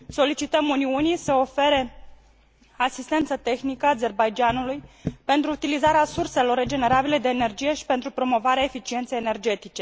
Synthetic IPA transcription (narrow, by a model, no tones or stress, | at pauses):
so̞lit͡ʃit̪əmuniunise̞o̞fe̞ɾe̞ | asist̪e̞nt̪sət̪e̞xnikəaze̞rbajd͡ʒanulujpe̞nt̪ɾuːt̪ilizaɾeasurse̞lo̞rːe̞d͡ʒe̞ne̞ɾabile̞d̪e̞ːne̞rd͡ʒije̞ʃi̥pent̪ɾupɾo̞mo̞vaɾeaefit͡ʃient̪sejene̞rd͡ʒe̞t̪it͡ʃe̞